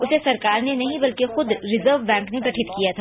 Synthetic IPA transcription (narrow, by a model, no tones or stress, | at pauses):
ʊsesɐɾkaːɾnenɐɦĩbɐlkexʊd̪ɾɪzəɾʋːɛ̃ːŋknekɐʈʰɪt̪kijat̪ʰa